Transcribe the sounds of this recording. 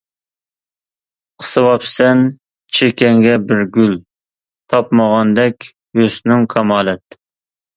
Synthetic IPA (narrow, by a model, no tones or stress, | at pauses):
qʰə̥sɨwɑpsɛn | t͡ʃʰekʲɛŋɡʲɛbɪɾɡʲyl | t̪ʰɑpmɑʁɑnd̪ɛkʲ | jøsnɪŋkʰɑmɑːlˠɛt̪